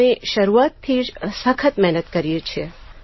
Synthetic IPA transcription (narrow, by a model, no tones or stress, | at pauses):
eʃəɾuat̪̚t̪ʰid͡ʒsəkʰət̪mɛɦnət̪kəɾijet͡ʃʰe